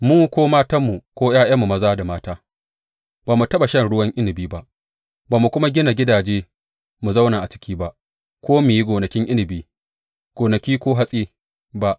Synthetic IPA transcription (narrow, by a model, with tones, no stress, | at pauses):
muː˦kʷoː˦maː˦ta˦mːu˨kʷoː˦jaː˦j̰ɐ˦mːu˨mɐ˦zaː˦da˨maː˦taː˦ | baː˨mu˨tɐ˦ɓa˨ʃɐ˦˨nɽʊ˦wɐ˦ŋʔɪ˦nɪ˨biː˦ba˦ʔ | baː˨mu˨kʷʊ˦ma˦ɡʲɪ˦na˨ɡʲɪ˦daː˨d͡ʒeː˦ | mu˨zɐ˦wnaː˨ʔa˨t͡ʃɪ̥˦kʲʰiː˦ba˦ʔ | kʷʰoː˦meː˨ji˦ɡʷoː˨nɐ˨kʲɪ˦ŋʔɪ˦nɪ˨biː˦ | ɡ̥ʷoː˨nɐ˨kʲiː˦kʷoː˦ɦa˦sʼeː˦ | ba˦ʔ